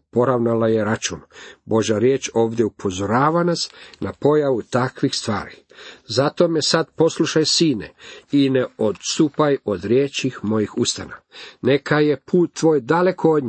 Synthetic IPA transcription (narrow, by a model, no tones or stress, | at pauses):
po̞ɾaʋnalaje̞ɾat͡ʃṵnbo̞ʒaɾjeːt͡ʃo̞ːʋd̪jeupʰo̞zo̞ɾaːʋanasnapo̞jaʋut̪akʋixst̪ʋa̰ːɾi | zat̪o̞mesad̪po̞slˠuʃajsiːnḛineod̪st̪upajo̞d̪ɾjet͡ɕixmo̞jixust̪a̰nane̞kʰaje̞pʰuːt̪ːʋo̞ːjd̪ale̞kʰood̪ɲ